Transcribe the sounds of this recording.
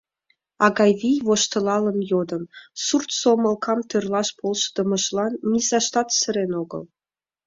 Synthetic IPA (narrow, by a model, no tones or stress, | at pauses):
ɑɡɑjvijvoʃt̪ɤ̆lˠɑlˠɤ̆njod̪ɤ̆nsurt̪somɤ̆lˠkʰɑmt̪ɤrlˠɑʃpolˠʃɤ̥d̪ɤ̆mɤ̆ʃlˠɑnːʲizɑʃt̪ɑt̪sɘ̆ɾenoɡɤ̰lˠ